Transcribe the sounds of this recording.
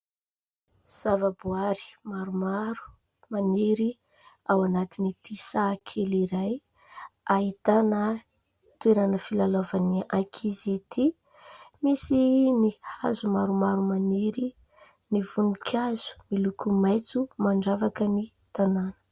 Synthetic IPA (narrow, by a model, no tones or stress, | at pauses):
z̥avəbuaɾi̥maɾumaɾu̥ | maniɾi | awanat̪init̪isakʰeliɾaj | ait̪anə | t̪weɾanəfilalovaniakʰizet̪ʰi | misinihazumaɾumaɾumaniɾi | nivunukʰaz̥u̥milukʰumajt͡sumaɳɖ͡ʐavakənit̪ananə̥